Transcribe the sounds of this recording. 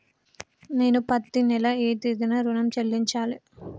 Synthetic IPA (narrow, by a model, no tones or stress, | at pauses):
neːnupɐt̪ːinɛlɐeːt̪id̪inɐɾunɐmt͡ʃɐlːiɲt͡ʃaːli